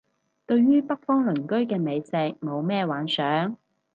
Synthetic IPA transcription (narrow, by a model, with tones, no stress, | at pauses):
t̪ɵ˧ɥɥyː˥pɐ˥k̚fɔː˥ŋlɵ˨˩nkɵ˥ɥkɛː˧me˨˧jsɛː˧k̚mo˨˧wmɛː˥waː˨˥nsœː˨˥ŋ